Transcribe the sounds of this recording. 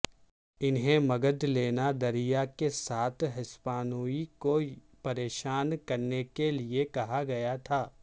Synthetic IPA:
ɪnɦẽmɐɡəd̪leːnad̪ɐɾijakesaːt̪ʰɦɪspaːnuiko | pɐɾeːʃaːnkɐɾnekeliekɐɦaɡɐjat̪ʰaː

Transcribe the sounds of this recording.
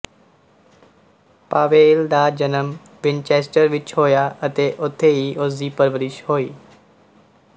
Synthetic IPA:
paːʋeːld̪aːd͡ʒənəm | ʋɪ̃nt͡ʃeːsʈəɾʋɪt͡ʃɦoːjaːət̪eːʔʊt̪ʰːeɦiːʔoziːpəɾʋəɾɪʃɦoːiː

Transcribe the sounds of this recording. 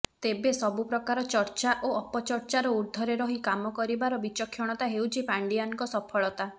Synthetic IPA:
t̪ebesɔbupɾɔkaɾɔt͡ʃɔɾt͡ʃaʔoɔpɔt͡ʃɔɾt͡ʃaɾɔuɾd̪ʱɔɾeɾɔɦikamɔkɔɾibaɾɔbit͡ʃɔkʰːjɔɽ̃ɔt̪aɦewt͡ʃʰipaɳɖijankɔsɔpʰɔɭɔt̪a

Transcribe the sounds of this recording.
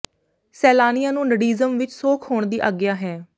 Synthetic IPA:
sɛːlaːnɪjãːnũːnəɽiːzəmʋɪt͡ʃsoːkʰhoːɳd̪iːʔaɡɪjaːɦɛː

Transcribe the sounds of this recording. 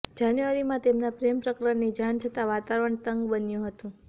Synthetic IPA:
d͡ʒanjuʋaɾimãt̪emnapɾempɾəkɾəɳnid͡ʒant͡ʃʰət̪aʋat̪aʋəɳt̪əŋɡbənjũɦət̪ũ

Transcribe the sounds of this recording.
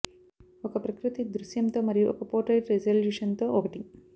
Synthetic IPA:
ɔkɐpɾɐkɾut̪id̪ɾuʃjɐmt̪oːmɐɾijuʔɔ̰kɐpoːʈɐjʈɾed͡ʒɐljuʂɐnt̪oːʔokɐʈi

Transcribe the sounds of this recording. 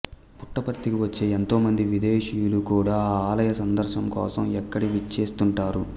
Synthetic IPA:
puʈːɐpɐɾt̪ikiʋɐt͡ʃːeːent̪o̞ːmɐnd̪iʋid̪eːʃijulukuːɽaːaːlɐjɐsɐnd̪ɐɾʃɐmkɔ̰ːsɐmɛkːɐɽiʋit͡ʃːeːst̪uɳʈaːɾu

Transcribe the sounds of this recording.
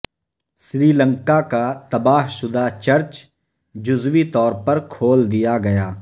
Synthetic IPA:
sɾiːləŋkaːkaːt̪əbaːɦsʊd̪aːt͡ʃəɾt͡ʃ | d͡ʒʊzʋiːt̪ɔːɾpəɾkʰoːld̪ɪjaːɡɐjaː

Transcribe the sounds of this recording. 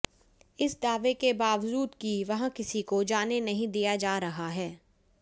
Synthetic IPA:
ɪsd̪aːʋekebaːʋd͡ʒuːd̪kiʋɐɦãkɪsikod͡ʒaːnenɐɦĩd̪ijad͡ʒaːɾɐɦaɦɛː

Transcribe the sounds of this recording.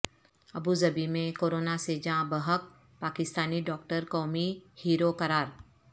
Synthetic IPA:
ɐbuzɐbimẽkoːɾoːnased͡ʒãːbəɦək̚ | paːkɪst̪aːniɖɔːk̚ʈəɾkɔːmihiːɾokɐɾaːɾ

